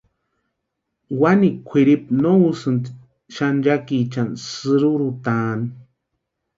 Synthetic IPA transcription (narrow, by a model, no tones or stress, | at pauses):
wanikʷʰiɾip̚nousɨnt̪ | ʃand͡ʒakit͡ʃansɨɾuɾut̪an